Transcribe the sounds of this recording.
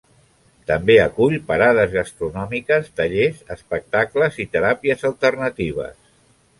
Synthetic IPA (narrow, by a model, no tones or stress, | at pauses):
t̪əmbeəkuʎpəɾaðəzɣəst̪ɾunɔmikəst̪əʎezəspək̚t̪akləzit̪əɾapiəzəlˠt̪ərnət̪iβ̞ə̰s